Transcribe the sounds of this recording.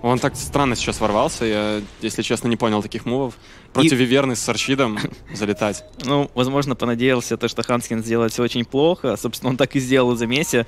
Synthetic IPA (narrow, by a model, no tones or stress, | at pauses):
o̞nt̪akst̪ɾanːəsʲɪ̥t͡ɕasvɐrvalˠsʲəjajesʲlʲɪt͡ɕesnənʲɪponʲɪlˠt̪ɐ̥kʲixmuvəf | pɾoitʲɪvʲɪvʲernɨxʲsɐrɕid̪əmzəlʲɪt̪atʲnuvɐzmo̞ʐnəpənɐdʲejɪlˠsʲət̪oʂt̪oxanskʲɪnzʲdʲelˠəlʲt̪sʲoot͡ɕɪnʲplˠo̞xəso̞pst̪ʲno̞nt̪akɨzʲdʲelˠəlˠzɐmʲesʲə